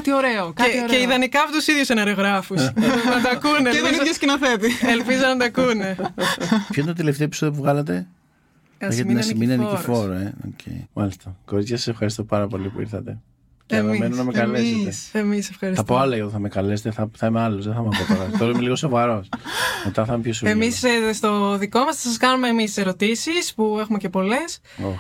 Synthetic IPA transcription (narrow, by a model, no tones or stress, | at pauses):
t̪ioɾeokeceiðɐnikɐɐpot̪usiðjusenɐɾeɣɾɐfunɐt̪ɐkuneeoskinɐθet̪ielpizonɐt̪ɐkune | pçent̪ot̪eleft̪epi̥soðjopuvɣɐlɐt̪̬e̞ | ɐçet̪nɐsiminiɐnikiɾfoɾeo̰cʰḛjmɐlist̪ɐko̞ɾit͡sçɐsɐsefxɐɾist̪o̞pɐɾɐpo̞lipuḭɾθɐt̪e̞ | emmenunɐmekɐleset̪eemisefxɐɾisθɐpoɐlɐoθɐme̞kɐle̞set̪eθɐθɐimealozðeθɐmɐpotoɾɐtoɾɐimeliɣo̞so̞vɐɾo̞smet̪ɐθɐmepçosemisst̪o̞ðiko̞mɐsɐsɐskɐnumeːmise̞ɾot̪isispuexume̞ce̞po̞le̞s | o